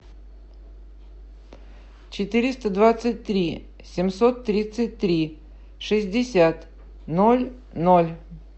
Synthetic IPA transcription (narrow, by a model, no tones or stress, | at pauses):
t͡ɕɪt̪ɨɾʲɪst̪əd̪vat̪sɨt̚ʲt̪ɾʲi | sʲɪmsot̪ːɾʲit̪sɨt̚ʲt̪ɾʲi | ʂɨzʲdʲɪsʲat̪ | nolʲ | nolʲ